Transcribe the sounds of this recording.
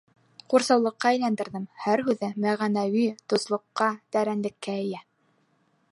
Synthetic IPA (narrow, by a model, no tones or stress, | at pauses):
quɾsɑwlˠɤ̆qːɑæjlænd̪ɘ̆ɾðɘmhæɾɦʉðɘmæʁænæwit̪ŏslˠŏqːɑt̪æɾænlɘ̆kːæɘ̆jæ